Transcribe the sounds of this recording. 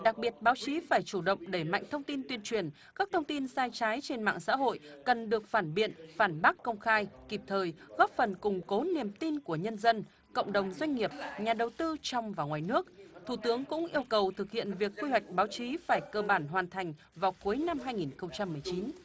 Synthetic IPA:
ɗa˨˩k̚ɓi˨˩ət̚ɓaː˨˦wt͡ɕi˨˦faː˧˩jt͡ɕu˧˩ɗə̰˧˨wŋ͡mɗe˧˩ma̰˧˨jŋ̟t̪ʰə˧wŋ͡mt̪i˧nt̪wi˧ənt͡ɕwi˨˩ən | kaː˦˥k̚t̪ʰə˧wŋ͡mt̪i˧nsaː˧jt͡ɕaː˨˦jt͡ɕe˧nma̰ː˧˨ŋsa̰ː˧˥ɦo̰˧˨jkə˨˩nɗɨ˨˩ək̚faː˧˩nɓḭ˧˨ənfaː˧˩nɓa˦˥kkːə˧wŋ͡mxaː˧jki˨˩p̚t̪ʰəː˨˩jɣɔ˦˥p̚fə˨˩nkʊ˨˩ŋ͡mko˨˦ni˨˩əmt̪i˧nku˧˩əɲə˧nzə˧n | kə̰˧˨wŋ͡mɗə˨˩wŋ͡mzwa˧jŋ̟ŋi˨˩əp̚ɲaː˨˩ɗə˨˩wt̪ɨ˧t͡ɕɔ˧wŋ͡mvaː˨˩wŋwaː˨˩jnɨ˦˥ək̚t̪ʰu˧˩t̪ɨ˨˦əŋkʊ̰˧˥ŋ͡mŋʔi˧əwkə˨˩wt̪ʰɨ˨˩k̚hḭ˧˨ənvi˨˩əkːwi˧ɦwa˨˩jk̟̚ɓaː˨˦wt͡ɕi˨˦faː˧˩jk̟̚kəː˧ɓaː˧˩nɦwaː˨˩nt̪ʰa˨˩ŋ̟ | vaː˨˩wku˨˦əjna˧mɦaː˧jŋi˨˩nxə˧wŋ͡mt͡ɕa˧mːɨ˨˩əjt͡ɕi˨˦n

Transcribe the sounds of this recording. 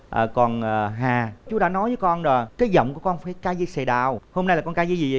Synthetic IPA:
ʔəː˨˩kɔ˨˩nʔəː˨˩ɦaː˨˩t͡ɕu˨˦ɗa̰ː˧˥nɔ˨˦jvəː˨˦jkɔ˧nzɔ˨˩kaː˨˦jzə̰˧˨wŋ͡mku˧˩˦kɔ˧nfaː˧˩jkaː˧˦jzə˧sɛ˨˩ɗaː˧˩who˧mna˧jlaː˨˩kɔ˧nkaː˧˦jzi˧zi˨˩˨

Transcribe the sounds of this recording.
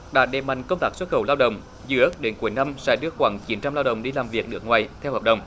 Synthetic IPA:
ɗa̰ː˧˥ɗe˨˩p̚ma̰˧˨jŋ̟kə˧wŋ͡mt̪aː˦˥k̚swə˦˥t̚xə˧˩wlaː˧wɗə̰˨wŋ͡m | zɨ̰˧˦ə˦˥k̚ɗe˨˦nku˨˩əjna˧msa̰ː˧˥ɗɨ˧əxwaː˨˦ŋt͡ɕi˨˦nt͡ɕa˧mlaː˧wɗə̰˨˩wŋ͡mɗi˧laː˨˩mvi˨˩ək̚nɨ˨˦˥ək̚ŋwaː˨˩jt̪ʰɛ˧whəː˨˩p̚ɗə̰˨˩wŋ͡m

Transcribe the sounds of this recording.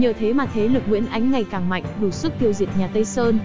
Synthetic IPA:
ɲəː˨˩t̪ʰe˨˦maː˨˩t̪ʰe˨˦lɨ˨˩k̚ŋwḭ˧˥ənʔa˨˦jŋ̟ŋa˨˩jkaː˨˩ŋma̰˧˨jŋ̟ɗu˧˩swɨ˦˥k̚t̪i˧əwzi˨˩əp̚ɲaː˨˩t̪ə˧jsəː˧n

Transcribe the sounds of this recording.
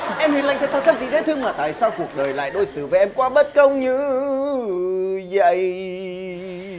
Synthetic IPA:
ʔɛ˧mhi˧˩ənla˧jŋt̪ʰːt̪ʰa˧w̚t͡ɕa˦˥t̚vḭ˧˨t̪ʰe˨˦t̪ʰɨ˧əŋmaː˨˩t̪a̰ː˧˨jsaː˧wku˨˩ək̚ɗəː˨˩jla̰ː˧˨jɗo˧jsɨ̰˧˩vaː˨˩ʔɛ˧mkwaː˧ɓə˦˥t̚kə˧wŋ͡mɲɨ˧ | zə˧˨j

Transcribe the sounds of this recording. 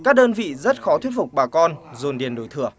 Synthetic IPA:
kaː˦˥k̚ɗəː˧nvḭ˧˨zə˦˥t̚xɔ˨˦wi˦˥ət̚fʊ˨˩k͡p̚ɓaː˨˩kɔ˧nzo˨˩nɗi˨˩ənɗo˨˩jt̪ʰɨ˧˩ə

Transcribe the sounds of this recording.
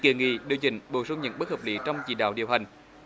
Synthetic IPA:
ki˨˧˩əŋḭ˧˩˦ɗi˨əwt͡ɕḭ̈˧˩ŋ̟ɓo˧˩sə˧wŋ͡mɲə̰˧˥˦nɓə˦˥həː˨˩p̚lḭ˨˦t͡ɕɔ˧wŋ͡mt͡ɕḭ˧˨˩ɗa̰ː˧˨wɗḭ˨əwɦa˨˩jŋ̟

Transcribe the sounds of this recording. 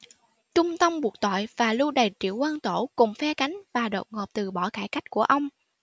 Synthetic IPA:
t͡ɕʊ˧ŋ͡mt̪ə˧mɓu˨˩ək̚t̪ɔ̰˧˨jvaː˨˩lu˧ɗə˨˩t͡ɕḭ˧˨əwʔəː˧nt̪o˧˩kʊ˨˩ŋ͡mfɛ˧ka˨˦jŋ̟vaː˨˩ɗə̰˨wŋ͡mŋo˨˩p̚t̪ɨ˨˩ɓɔ˧˩kaː˧˩jka˦˥jk̟̚ku˧˩əʔə˧wŋ͡m

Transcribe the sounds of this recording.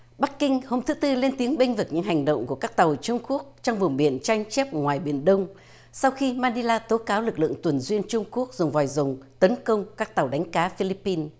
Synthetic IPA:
ɓa˦˥kːï˧ŋ̟ho˧mt̪ʰɨ˨˦t̪ɨ˧le˧nt̪i˨˦əŋɓe˧ŋ̟vɨ˨˩k̚ɲɨ̰˧˥ŋɦa˨˩jŋ̟ɗə̰˧˨wŋ͡mku˧˩əkaː˦˥k̚t̪a˨˩wt͡ɕʊ˧ŋ͡mku˦˥ək̚t͡ɕɔ˧wŋ͡mvʊ˨˩ŋ͡mɓi˧˩ənt͡ɕa˧jŋ̟t͡ɕɛ˦˥p̚ŋwaː˨˩jɓi˧˩ənɗə˧wŋ͡m | sa˧wxi˧maː˧ni˧laː˧t̪o˨˦kaː˨˦wlɨ˨˩k̚lɨ̰˧˨əŋt̪wə˨˩nzwi˧ənt͡ɕʊ˧ŋ͡mku˦˥ək̚zʊ˨˩ŋ͡mvɔ˨˩jzʊ˨˩ŋ͡mt̪ə˨˦nkə˧wŋ͡mkaː˦˥k̚t̪a˨˩wɗa˨˦jŋ̟kaː˨˦fi˧li˦˥pːi˧n

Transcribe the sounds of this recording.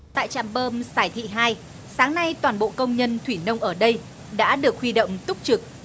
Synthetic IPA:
t̪a̰ː˧˨jt͡ɕa̰ː˧˨mɓəː˧mzaː˧˩jt̪ʰḭ˧˨ɦaː˧j | saː˨˦ŋna˧jt̪waː˨˩nɓo̰˧˨kə˧wŋ͡mɲə˧nt̪ʰwi˧˩nə˧wŋ͡mʔəː˧˩ɗə˧j | ɗa̰ː˧˥ɗɨ˨˩ək̚hwi˧ɗə̰˧˨wŋ͡mt̪ʊ˦˥k͡p̚t͡ɕɨ˨˩k̚

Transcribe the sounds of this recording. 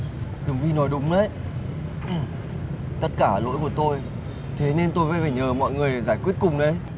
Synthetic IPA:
t̪ɨ˨˩ŋvi˧nɔ˨˦jɗʊ˨˦ŋ͡mɗə˨˦j | t̪ə˦˥t̚kaː˧˩lo̰˧˥jku˧˩ət̪o˧j | t̪ʰe˨˦ne˧nt̪o˧jva̰ː˧˦faː˧˩jɲəː˨˩mɔ̰˧˨jŋɨ˨˩əjɗe˨˩jzaː˧˩jkwi˦˥ət̚kʊ˨˩ŋ͡mɗə˨˦j

